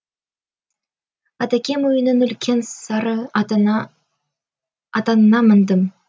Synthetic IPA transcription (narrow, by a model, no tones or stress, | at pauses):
ɑt̪ækʲe̞mujə̆nənʏ̆lkʲʰe̞nsɑɾə | ɑt̪ɑnənɑmə̆nd̪əm